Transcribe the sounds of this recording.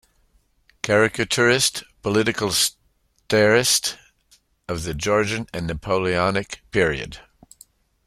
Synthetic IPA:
kʰæɹɪkɨt͡ʃʰəɹɪstpʰəlɪɾɨkəl̩ˠs | tɛɹɪst | ʌvðɨd͡ʒɔɹd͡ʒɨ̃nɨ̃nːɨpʰoʊlˠiɑnɪkpʰɪɹiɨ̰d̥

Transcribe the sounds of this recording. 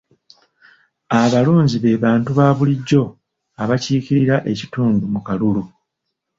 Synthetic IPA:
aβaluːɲɟiβe̞ːβaːntuβaːβuliɟːo̞ | aβaciːciɾiɾaʔe̞cituːndumukalulu

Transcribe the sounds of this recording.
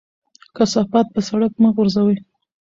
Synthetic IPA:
kasafɑt̪̚pəsaɽakmaɣʊɾzawə

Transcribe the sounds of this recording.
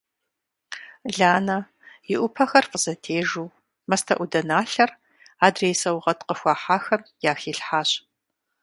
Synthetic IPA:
ɮaːnɐ | jɪʔʷʊpʰɐxɐrfəzɐtʰeːʒuː | mɐstʰɐ̰ʔʷʊdɐnaːɬɐr | aːdreːsɐwʁɐtqəxʷɑːħaːxɐmjaːxiːɬħaːɕ

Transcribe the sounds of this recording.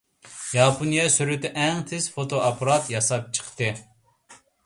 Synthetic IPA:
jɑpʰonijɛsyɾyt̪ɛʔɛŋt̪ʰɪz̥fot̪ʰoʔɑpʰɑɾɑt̪jɑsɑp̚t͡ʃʰə̥qt̪ɨ

